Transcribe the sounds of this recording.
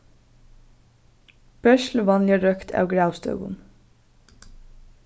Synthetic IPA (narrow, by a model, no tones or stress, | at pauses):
b̥œʃlʋɑnjəɾœkt̪ʰɑ̰ːʋɡɽɑʊst̪œ̰ːɡʊ̰m